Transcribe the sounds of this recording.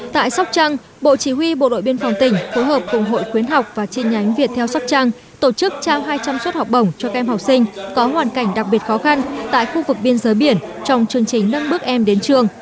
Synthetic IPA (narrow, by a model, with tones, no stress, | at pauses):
t̪a̰ː˧˨jsa˦˥wk͡p̚t͡ɕa˧ŋ | ɓo̰˧˨t͡ɕi˧˩wi˧ɓo̰˧˨ɗo̰˧˨jɓi˧ənfɔ˨˩wŋ͡mt̪ï˧˩ŋ̟fo˨˦jɦəː˨˩p̚kʊ˨˩ŋ͡mɦo̰˧˨jkwi˨˦ənɦa˨˩wk͡p̚vaː˨˩t͡ɕi˧nɲa˨˦jŋ̟vi˨˩ət̪ʰɛ˧wsa˦˥k͡p̚t͡ɕa˧ŋ | t̪o˧˩t͡ɕɨ˦˥k̚t͡ɕaː˧mɦaː˧jt͡ɕa˧mswə˦˥t̚hɔ˨˩wk͡p̚ɗə˨˧˩wŋ͡mt͡ɕɔ˧ka˧ʔɛ˧mhɔ˨˩wk͡p̚sï˧ŋ̟kɔ˨˦ɦwaː˨˩nka˧˩jŋ̟ɗa˨˩k̚ɓi˨˩ət̚xɔ˨˦xa˧nt̪a̰ː˧˨jxu˧vɨ˨˩k̚ɓi˧ənzəː˨˦jɓi˧˩ən | t͡ɕɔ˧wŋ͡mt͡ɕɨ˧˩əŋt͡ɕï˨˩ŋ̟nə˧nɓɨ˦˥ək̚ʔɛ˧mɗe˨˦nt͡ɕɨ˧əŋ